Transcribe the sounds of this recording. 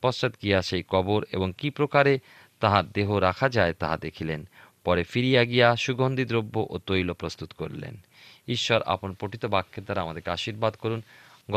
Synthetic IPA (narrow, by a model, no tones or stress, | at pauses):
pɔst͡ɕat̪ɡijaʃejkɔboɾḛboŋkipɾokaɾe | t̪aɦaɾd̪eɦoɾakʰad͡ʑaet̪aɦad̪ekʰilen | pɔɾefiɾijaɡijaʃuɡʱond̪id̪ɾobːoʔot̪ojlopɾost̪ut̪koɾlḛn | iʃːɔɾa̰ponpɾoʈit̪obakʰːeɾd̪aɾaamad̪eɾkeaʃiɾbad̪koɾunɡ